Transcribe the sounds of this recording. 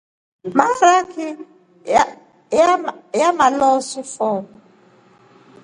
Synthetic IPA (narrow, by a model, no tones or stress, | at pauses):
maɾakʰi | jamalɔsifɔːm